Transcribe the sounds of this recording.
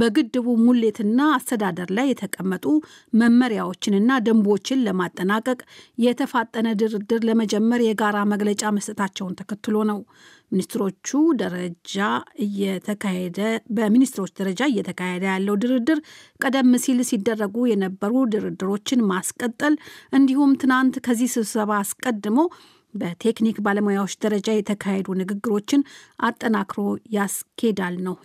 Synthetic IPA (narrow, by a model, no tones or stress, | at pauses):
bəɡɨd̪ːɨβumulːe̞t̪ʰɨnːaːst̪ʰəd̪ad̪əɾlajːɛt̪ʰəkʼəmːət̪ʼu | məmːəɾijawo̞t͡ʃːɪnɨnːad̪əmbo̞t͡ʃːɪnləmat̪ʼːənakʼəkʼjɛt̪ʰəfat̪ʼːənəd̪ɨɾɨd̪ɨɾləməd͡ʒɛmːəɾjɛɡaɾaməɡlət͡ʃʼaməst̪ʼɨt̪ʰat͡ʃːɛwnt̪ʰəkʰət̪ːɨlo̞nəw | minist̪ɾo̞t͡ʃːud̪əəd͡ʒaɨjɛəed̪əbəminist̪ɨɾo̞t͡ʃːd̪əɾəd͡ʒaɨjːɛt̪ʰəkʰahed̪əjalːəwd̪ɨɾɨd̪ɨɾkʼəd̪əmːɨsilsid̪ːərːəɡujɛnəbːəɾud̪ɨɾɨd̪ːɨɾo̞t͡ʃːɪnmaskʼət̪ʼːəlʔɨnd̪ihumt̪ʰɨnant̪kʰəzːihsɨβsəβaːskʼəd̪ːɨmo̞ | bət̪ʰe̞knikbaləmojawo̞t͡ʃːd̪əɾəd͡ʒajɛt̪ʰəkʰahed̪unɨɡɨɡːɨɾo̞t͡ʃːɪnʔat̪ʼːənakɾo̞jaskʰed̪alnəw